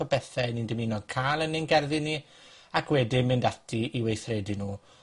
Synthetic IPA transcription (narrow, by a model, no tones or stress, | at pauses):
ɔbɛθɛnindɪminɔɡ̚kʰaːlˠənɪnɡɛrðɨni | akʰwɛdɪmɨndatʰiiwejθreːdinuː